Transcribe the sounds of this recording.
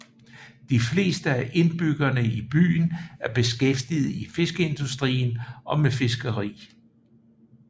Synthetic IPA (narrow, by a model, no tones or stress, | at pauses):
d̥ifle̝̰ːsd̥əæʔe̝nb̥yɡ̥ɐnəib̥y̰ːnæɐb̥e̝sɡ̥efd̥ið̞̩ˠife̝sɡ̥əe̝nd̥usd̥ʁḭːnɒ̽mefe̝sɡ̥ɐʁḭː